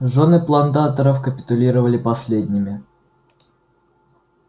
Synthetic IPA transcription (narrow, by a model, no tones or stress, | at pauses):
ʐo̞nɨplˠɐnt̪at̪əɾəfkəpʲɪ̥t̪ʊlʲiɾəvəlʲɪpɐsʲlʲed̪ʲnʲɪmʲɪ